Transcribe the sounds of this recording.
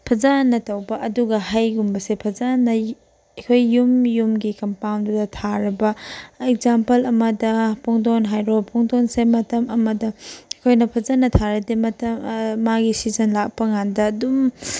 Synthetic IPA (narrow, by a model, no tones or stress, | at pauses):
pʰɐzanːɐtɐwbɐʔɐduɡɐhajɡumbɐsepʰɐzanːɐ | ɐkʰojːumjumɡikɐmpawndudɐtʰaɾɐbɐek̚zampɐlɐmɐdɐpʰɔŋdonɦajɾopʰɔŋdonsemɐtɐmɐmɐdɐɐkʰojnɐpʰɐzanːɐtʰaɾɐdemɐtɐmːaɡisizɐnlak̚pɐŋandɐːdum